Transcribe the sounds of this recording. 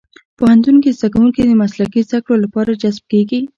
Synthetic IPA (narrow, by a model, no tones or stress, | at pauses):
pohant̪unkizd̪akawuŋkid̪əmaslakizd̪akɽolapɑɾad͡ʒazb̚keɡi